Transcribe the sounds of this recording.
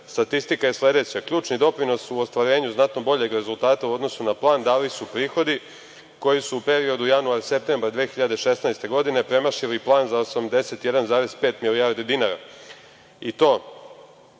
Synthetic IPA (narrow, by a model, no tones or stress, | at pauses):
st̪at̪ist̪ikaje̞sle̞d̪e̞t͡ɕakʎuːt͡ʃnid̪o̞pɾino̞suost̪ʋaɾe̞ːɲuznat̪no̞bo̞ʎe̞ɡɾe̞zulˠt̪aːt̪auod̪no̞sunaplˠaːnd̪alisupɾiːxo̞d̪i | ko̞jisuupe̞ɾio̞d̪ujanuaɾse̞p̚t̪e̞mbɾad̪ʋeːxiʎad̪eʃe̞snajst̪e̞ɡo̞d̪ine̞pɾe̞maʃiliplˠaːnzaosamd̪e̞se̞t̪je̞d̪anzaːɾe̞speːt̪milijaɾd̪id̪inaːɾa̰ | it̪o̞ː